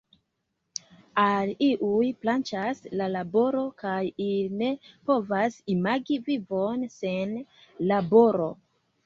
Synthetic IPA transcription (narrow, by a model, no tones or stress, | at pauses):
aliʔujplant͡ʃaslalabo̞ɾo̞kajine̞po̞vasimaɡivivo̞nse̞n | labo̞ɾo̞̰